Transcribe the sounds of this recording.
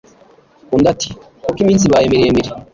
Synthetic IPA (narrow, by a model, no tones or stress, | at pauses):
kundati̥ | kokimiːns̬iβajemiɾemiɾi